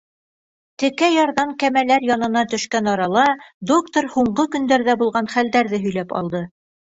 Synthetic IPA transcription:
t̪ɘ̆kæjɑɾðɑŋkæmælæɾjɑnɤ̆nɑt̪ɵ̆ʃkænɑɾɑlˠɑd̪o̞kt̪oɾhuɴɢɤkɵ̆nd̪æɾðæbulˠʁɑnχæld̪æɾðɘɦɵ̆jlæpɑ̰lˠd̪ɤ

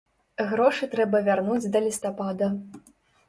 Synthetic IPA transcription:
ɣɾɔʂɨt̪ɾɛbɐvʲarnud͡zʲd̪ɐlʲist̪apad̪ɐ

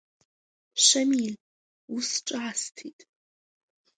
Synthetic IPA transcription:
ʃɐmil | usʈ͡ʂʼaastʰitʼ

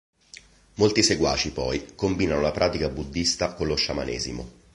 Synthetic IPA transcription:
molt̪iseɡwa̰ːt͡ʃipɔjkombiːnanolapɾʔaːt̪ikabud̪ːist̪akonloʃːama̰nɛ̰ːzimo̰

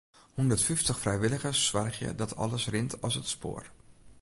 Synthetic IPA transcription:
hundərtfyftəxfrɛjʋɪlˠəɣəsːʋarxjə̰dɔtʰɔ̰ləsrɪntʰɔsətspo̰ːər

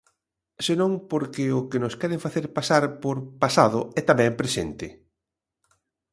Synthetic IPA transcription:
senõŋpoɾkɪʊkɪnʊskɛɾeɱfaθeɾpasaɾpoɾpasað̞ʊɛt̪amɛŋpɾesḛnt̪ɪ

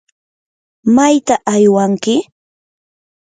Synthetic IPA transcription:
majt̪aʔajwaŋkɪ

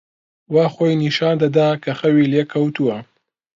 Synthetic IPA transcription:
waːχojniʃɑːnd̪ɐd̪aːkʰɐxɐwiːleːkʰɐwt̪ʰuwɐ

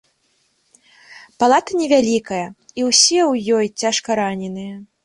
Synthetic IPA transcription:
palˠat̪ɐnʲɛvʲalʲikɐjɐiwsʲɛwjɔjt͡sʲaʂkɐɾanʲɛnɨjɐ

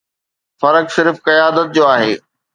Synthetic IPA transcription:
fɐɾəksɪɾfkɐjaːd̪ət̪̚d͡ʑoːaːɦḛː

